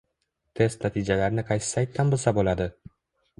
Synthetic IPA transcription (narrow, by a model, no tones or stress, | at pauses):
t̪ʰe̞st̪nat̪ʰid͡ʒalaɾɪnɪqʰɑjsɪ̥sajt̪ːanbɪlˠsabolad̪ɪ